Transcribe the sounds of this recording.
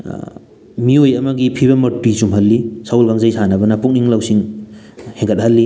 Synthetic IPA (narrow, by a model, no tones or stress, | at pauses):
miojɐmɐɡipʰiβɐmɐtwisumɦɐlːisawlɡaŋzajsʰanɐbɐnapuk̚niŋlawsiŋ | heŋɡət̚hɐlːi